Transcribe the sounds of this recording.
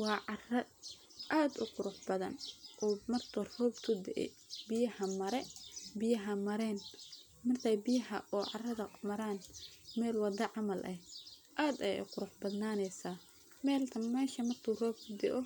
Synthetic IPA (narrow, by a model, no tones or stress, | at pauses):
wɑːʕɑrɐ | ʔaːd̪ʊqʊɾʊħbɐðɐ̰nʔɔːmɐrt̪ʰɔrɔːbt̪ʰʊd̪ɛʔɛ̰bɪjɐhɐmɐɾɛbɪjɐɦɐmɐɾɛːn | mɐrt̪ʰɐjbɪjɐɦɐ̰ʔɔːʕɑrɐðɐmɐɾaːnmɛːlwɑd̪ɐʕɑmɐlʔɐhʔaːd̪ɛj̰qʊɾʊħbɐd̪naːnɛjsaː | mɛːlt̪ʰɐmɛːʃɐmɐrt̪ʰuːrɔːb̚t̪ʰʊd̪ɛʔɔ